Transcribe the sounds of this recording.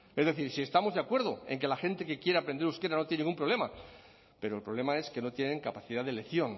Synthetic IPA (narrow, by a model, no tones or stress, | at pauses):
e̞zðe̞θiɾsie̞st̪amo̞zðakwe̞ɾðo̞e̞ŋke̞laxe̞nt̪e̞ke̞kje̞ɾeapɾe̞nd̪eɾuske̞ɾanojniŋɡump̬ɾole̞ma | pe̞ɾo̞elpɾoβ̞le̞mae̞ske̞no̞t̪je̞ne̞ŋkapaθiðaðele̞θjo̞n